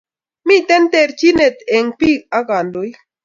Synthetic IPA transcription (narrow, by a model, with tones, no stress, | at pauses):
mi˦t̪e˦nt̪e˨ɾt͡ʃi˦ne˨t̪e˨ŋpi˦a˦ɡa˨nd̪o˨j